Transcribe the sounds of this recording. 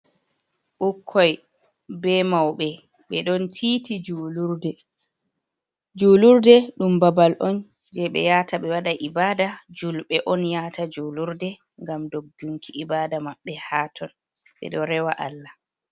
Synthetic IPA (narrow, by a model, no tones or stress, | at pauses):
ʔukʰːɔj | bɛmawɓɛ | ɓɛɗɔntʰiːtid͡ʒuluɾdɛ | d͡ʒuluɾdɛɗumbabalʔɔn | d͡ʒɛɓɛ̰jataɓɛwaɗaʔibaːdad͡ʒulɓɛʔɔnjaːtad͡ʒuluɾdɛ | ŋɡamdoɡːuŋkʰiʔibaːdamaɓːɛhatʰɔn | ɓɛ̰ɗɔɾɛwaʔa̰lːa